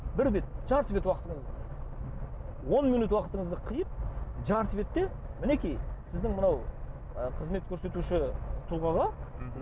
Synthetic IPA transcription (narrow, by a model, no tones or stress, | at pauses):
bɪɾbe̞t̪̚ʒɑɾt̪ve̞t̪wɑqət̪əɴəzd̪ə | wo̞nminut̪wɑqət̪əɴəzd̪əqʰijəp̚ʒɑɾt̪ve̞t̪ːe̞mɪne̞kʲijsɪzd̪ɪŋmənɑw | əqʰəzme̞t̪̚kʲʰɵɾse̞t̪uʃɪt̪ʰʊlˠʁɑʁɑ